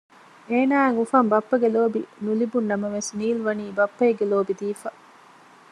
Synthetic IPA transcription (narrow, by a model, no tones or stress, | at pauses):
eːnaːŋufɐmbɐpːɐɡeloːbḭnulibunːɐmɐʋesniːlʋɐniːbɐpːɐeɡeloːbid̪iːfɐ